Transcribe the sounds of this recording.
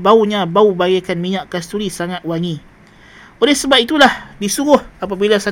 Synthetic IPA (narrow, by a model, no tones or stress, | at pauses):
bauɲãbaubaɡakanmiɲaʔkast̪uɾisaŋãt̪̚waŋi | olɛhsəbap̚it̪ulahdisuɾʊhap̬abilasa